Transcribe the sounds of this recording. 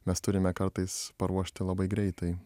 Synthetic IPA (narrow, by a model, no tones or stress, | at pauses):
mʲɛst̪ʊɾʲɪmʲɛkɐɾt̪ɐɪspɐɾuɔʃʲt̪ʲɪlˠɐbɐɪɡɾʲɛɪt̪ɐɪ